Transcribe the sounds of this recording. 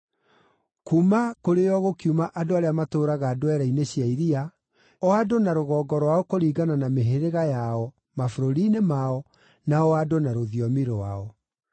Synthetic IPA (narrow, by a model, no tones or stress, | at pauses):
kuːmakoɾejɔɣokiumaʔadoaɾeamatoːɾaɣaːdoɛɾaineɕiaiɾia | ɔadonaɾoɣɔːɡɔɾwaɔkoɾiːɡananameɦeɾeɣajaɔ | mafoɾoɾinemaɔ | naɔadonaɾoðiɔmiɾowa̰ɔ